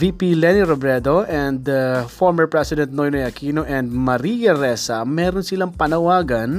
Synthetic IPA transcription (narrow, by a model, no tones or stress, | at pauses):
vipilɛniɾobɾɛd̪oʔɛ̃nd̪ɐfoɹmɛɹpɹɛsɪd̪ɛnt̪̚nojnojɐkiːnoʔɛ̃nd̪̚mɐɾijɐɾɛsɐmɛːɾonsɪlaŋpɐnɐwaːɡɐn